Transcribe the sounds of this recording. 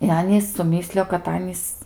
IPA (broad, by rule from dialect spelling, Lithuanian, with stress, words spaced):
ɪ ˈɑːnʲiːs sʊˈmʲiːsʲlʲɪjoː kɐt ˈɑːnʲiːs